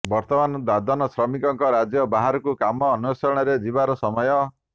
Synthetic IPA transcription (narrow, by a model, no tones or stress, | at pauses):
bɔɾt̪ɔmanɔd̪ad̪ɔnɔsɾɔmikɔŋkɔɾad͡ʒjɔbaɦaɾɔkukamɔːnusɔɾɔɽ̃ɔɾed͡ʒibaɾɔsɔmɔjɔ